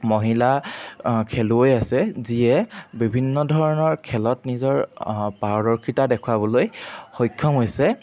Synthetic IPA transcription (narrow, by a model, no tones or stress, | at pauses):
moɦila | kʰɛluojasɛziɛbibʱinːɔdʱɔɹɔnɔɹkʰɛlɔtnizɔɹpaɹɔɹɔɹkʰitadɛkʰwabɔlojxojkʰːɔmɦojsɛ